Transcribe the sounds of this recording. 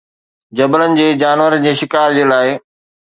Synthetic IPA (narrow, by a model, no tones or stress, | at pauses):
d͡ʑɐbələnɪ̆d͡ʑeːd͡ʑaːnʋəɾənd͡ʑeːʃɪkaːɾd͡ʑeːlaːɪ